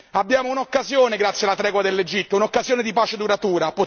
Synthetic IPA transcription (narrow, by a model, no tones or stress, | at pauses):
abːjaːmounokːazjoːneɡɾat̪sːjalːat̪ɾɛːɡwad̪elːed͡ʒit̪ːounokːazjoːned̪ipaːt͡ʃed̪uɾat̪uːɾapo